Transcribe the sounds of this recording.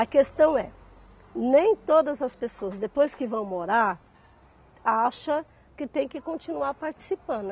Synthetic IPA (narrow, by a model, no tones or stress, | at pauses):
ɐkest̪ɐ̃w̃ɛ | nẽj̃t̪od̪ɐzɐspesoɐzd̪epojskɪvɐ̃w̃moɾaɾ | aʃɐ | kɪt̪ẽj̃kɪkõnt͡ʃinuaɾpaɾt͡ʃi̥sipɐ̃nd̪ʊ